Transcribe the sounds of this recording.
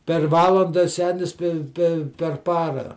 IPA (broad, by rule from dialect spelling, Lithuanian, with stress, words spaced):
pʲɛr ˈʋɑːlˠɐndɐ ˈsʲæːnʲɪs pʲɛ pʲɛ pʲɛr ˈpɑːrɐ